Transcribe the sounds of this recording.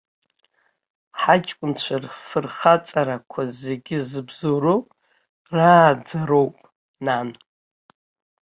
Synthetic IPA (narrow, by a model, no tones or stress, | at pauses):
ħat͡ʃʼkʷʼʊnt͡ɕʷʰarfɨrχat͡sʼaɾakʷʰazeɡʲɪzɨbzoɾopʼ | raːd͡zaɾowpʼ | nan